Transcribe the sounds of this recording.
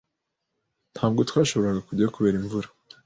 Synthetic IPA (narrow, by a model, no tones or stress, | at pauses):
n̥hʰaːb̚ɡo̞twaːʃo̞βo̞ɾaɡakuɟaokuβeːɾiɱvuɾḁ